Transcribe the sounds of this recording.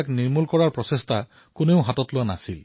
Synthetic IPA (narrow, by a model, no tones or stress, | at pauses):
kniɹmulkɔɹaɹpɹɔsestʰa | kʊneʊɦatɔtlʊana̰sil